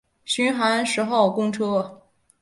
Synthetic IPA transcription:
ɕy˧˥nxa˧˥nʂɻ̩˧˥xɑ˥˩ʊkʊ˥ŋʈ͡ʂʰɤ˥

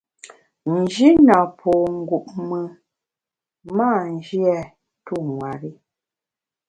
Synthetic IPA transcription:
n̩˨d͡ʒi˦na˨pʰɔ˨ŋ̩˦˨ɡu˨ʔ̚mə˨ | ma˦˨n˨d͡ʒi˦ɛ˦˨ | tu˦˨ŋwa˨ɾi˦

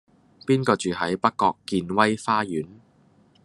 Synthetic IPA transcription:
piː˥nkɔː˧t͡ʃyː˨ɦɐ˨˥jpɐ˥kːɔː˧kːiː˧nwɐ˥jfaː˥jyː˨˥n

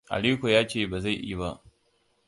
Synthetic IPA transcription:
ʔa̰˨li˦kʷo˨jaː˦t͡ʃeː˦˨baː˨za˦˨jʔḭ˦ba˦ʔ

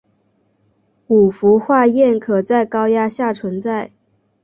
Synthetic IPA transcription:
u˨˩fu˧˥xwa˥˧jɛ˥˩nkʰɤ˨˩t͡sa˥˩ɪkɑ˥ʊja˥ɕja˥˩ʈ͡ʂʰwə˧˥nt͡sa˥˩ɪ

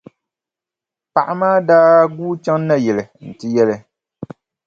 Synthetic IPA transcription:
pa˨ʔa˨maː˦daː˦ɡuː˦t͡ʃa˦ŋ˦na˦jɛ˨lɨ˨n̩˨tɨ˦jɛ˦lɨ˦

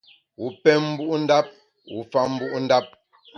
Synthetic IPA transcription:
wu˨˦pɛ˦m̩˦bu˦ʔn̩˦da˦p̚ | wṵ˨˦fa˦m̩˦bu˦ʔn̩˦da˦p̚

